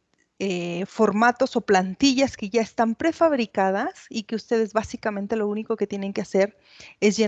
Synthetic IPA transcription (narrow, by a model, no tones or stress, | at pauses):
efo̞ɾmat̪o̞so̞plant̪iʝaske̞ʝaest̪ampɾe̞faβɾikað̞asike̞ust̪eðe̞zβasikamẽ̞nt̪e̞lo̞uniko̞ket̪je̞ne̞ŋkease̞ɾ | e̞zʝe